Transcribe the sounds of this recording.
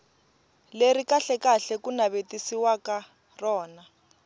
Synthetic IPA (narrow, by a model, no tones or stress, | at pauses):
leɾikaɬɛkaɬɛkunaβetisiwaka | rɔːna